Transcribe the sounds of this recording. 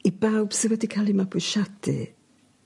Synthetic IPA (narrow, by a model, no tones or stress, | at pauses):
ibawb̥sɪwɛdikʰalˠimabʊʃadʰɨ̰